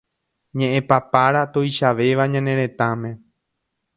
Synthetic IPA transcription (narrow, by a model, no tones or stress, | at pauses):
ɲẽʔẽpapaɾat̪ojʃaʋe̞ʋaɲãnẽ̞ɾẽ̞t̪ãmẽ̞